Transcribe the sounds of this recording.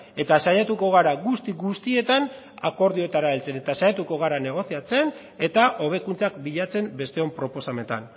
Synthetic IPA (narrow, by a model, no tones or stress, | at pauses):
e̞t̪asajat̪uko̞ɣ̞aɾaɣust̪iɡust̪ie̞t̪an | ako̞ɾðio̞t̪aɾaelt͡se̞ne̞t̪asajat̪uko̞ɣ̞aɾane̞ɣ̞o̞siat͡se̞n | e̞t̪aʔo̞β̞e̞kunt͡sakbiʎat͡se̞mbe̞st̪e̞o̞mpɾo̞po̞same̞t̪a̰n